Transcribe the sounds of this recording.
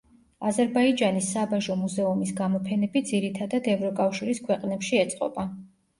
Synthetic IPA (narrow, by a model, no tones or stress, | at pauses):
azɛɾbaid͡ʒanisːabaʒɔmuzɛumisɡamɔpʰɛnɛbid̪ziɾit̪ʰad̪ad̪ɛvɾɔkʼafʃiɾiskʰwɛqʼnɛpʃiɛt̪sʼqʼɔ̰ba